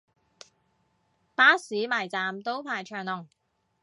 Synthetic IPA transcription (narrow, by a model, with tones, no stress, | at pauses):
paː˨˥siː˨˥maː˨˩jt͡saː˨mt̪o˥wpʰaː˨˩jt͡ʃʰœː˨˩ŋlɔ˨˩ŋ